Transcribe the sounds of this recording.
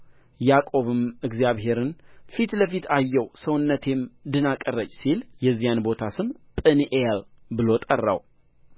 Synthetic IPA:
jakʼo̞βɨmɨɡzijaβɦe̞ɾɨnfit̪ləfit̪ʰajːɛwsəwʊnːət̪ʰe̞md̪ɨnakʼəɾət͡ʃʼːsiljɛzːijanbo̞t̪ʰasɨmpʼɨnʔejalbɨlo̞t̪ʼərːa̰w

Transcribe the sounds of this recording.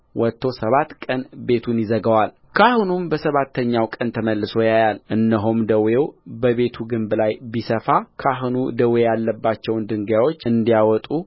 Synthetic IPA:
wɔt̪ʰːo̞səβat̪kʼənbe̞t̪ʰunjɪzəɡəwal | kʰahnumbəsəβat̪ːəɲːawkʼənt̪ʰəməlːɨso̞jajalʔɨnːəɦomd̪əwjewbəβe̞t̪ʰuɡɨmblajbisəfakʰaɦnṵd̪əwejalːəbːat͡ʃːɛwnd̪ɨŋɡjawo̞t͡ʃːɨnd̪ijawɔt̪ʼu

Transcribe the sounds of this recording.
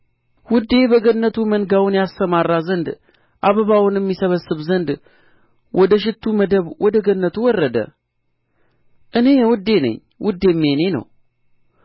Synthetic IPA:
wʊd̪ːe̞bəɡənːət̪ʰumənɡawʊnjast̪əmarːazənd̪ | ʔaβəβawʊnjɛmːisəβəsːɨβzənd̪ | wɔd̪əʃ̬ɪt̪ʰːuməd̪əβwɔd̪əɡənːət̪ʰuwɔrːəd̪ə̰ | ʔɨne̞jɛwʊd̪ːe̞nə̰ɲː | wʊd̪ːe̞mːe̞ne̞nə̰w

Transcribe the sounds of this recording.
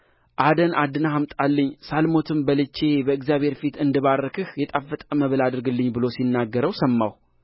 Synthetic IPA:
ʔad̪ənʔad̪ːɨnahamt̪ʼalːəɲːsalmo̞t̪ʰɨmbəlɨt͡ʃːe̞bəɨɡzjaβhe̞ɾfit̪ɨnd̪ɨβarːəkʰɨhjɛt̪ʼafːət̪ʼəməβɨlad̪ɨɾɡɨlːɨɲːbɨlosinːaɡːəɾəwsəmːaw

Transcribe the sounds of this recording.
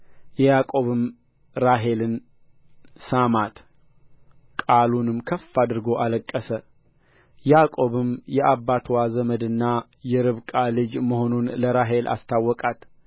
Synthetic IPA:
jɛjakʼo̞βɨm | ɾaɦe̞lɨn | samat̪ | kʼalunɨmkʰəfːad̪ɨɾɡo̞ʔaləkʼːəsə | jakʼo̞βɨmjɛʔabːat̪ʰwazəməd̪ɨnːa | jɛɾɨβkʼalɨd͡ʒməɦo̞nunləɾaɦe̞lʔa̰st̪ʰawːɔkʼat̪

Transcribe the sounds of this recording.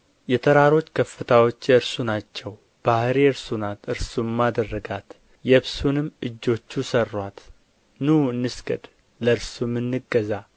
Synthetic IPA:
jɛt̪ʰəɾaɾo̞t͡ʃːkʰəfːɨt̪ʰawo̞t͡ʃːjɛɨɾsunat͡ʃːɛw | b̥ahɾeɨɾsunat̪ɨɾsumːad̪ərːəɡat̪ | jɛβsunɨmːʔɨd͡ʒːo̞t͡ʃːusərːwat̪ | nuɨnːɨskəd̪ | ləɨɾsumːɨnːɨɡːəza

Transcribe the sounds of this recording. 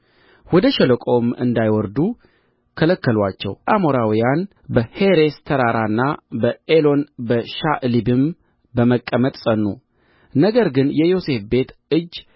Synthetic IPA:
wɔd̪əʃɛləkʼo̞mɨ̰nd̪ajwɔɾd̪u | kʰələkːəlwat͡ʃːɛ̰wʔamoɾawijan | bəheɾest̪ʰəɾaɾanːabəelo̞nbəʃaʔlibɨm | bəməkʼːəmət̪ʼsʼənːṵ | nəɡəɾɡɨnjɛjo̞se̞fbe̞t̪ɨd͡ʒː

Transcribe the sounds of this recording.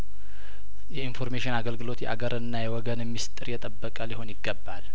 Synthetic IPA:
jɛinfo̞ɾmeʃɪnaɡəlɡɨlo̞t̪jɛ̰ʔaɡəɾɨnːajɛwɔɡənmːist̪ʼɨɾjɛt̪ʼəbːəkʼəliho̞njɪɡːəbːal

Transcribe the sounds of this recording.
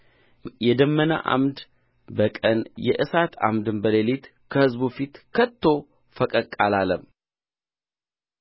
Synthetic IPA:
jɛd̪əmːəna̰ʔa̰md̪ | bəkʼənjɛ̰ʔɨsat̪a̰md̪ɨnbəlelit̪ | kʰəhɨzbufit̪kʰət̪ʰːo̞ | fəkʼəkʼalaləm

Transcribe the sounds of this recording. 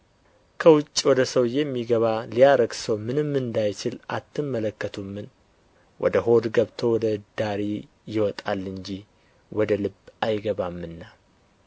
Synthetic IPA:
kʰəwʊt͡ʃʼːwɔd̪əsəwjɛmːiɡəβalijaɾəɡsəwmɨnɨmːɨnd̪ajt͡ʃɪlʔa̰t̪ʰːɨmːələkːət̪ʰumːɨn | wʔɔ̰d̪əɦo̞d̪ɡəβt̪ʰo̞wɔd̪əd̪̥aɾi | jɪwɔt̪ʼalːɨɲd͡ʒi | wɔd̪əlɨbajɡəβamːɨnːa

